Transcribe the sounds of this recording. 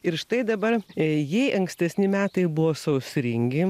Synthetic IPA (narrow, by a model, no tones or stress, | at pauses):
ɪɾʃt̪ɐɪd̪ɐbɐɾjɛɪʔɐŋksʲt̪ʲɛsʲnʲɪmʲæːt̪ɐɪbʊʋoːsɐʊsʲɾʲɪŋʲɡʲɪ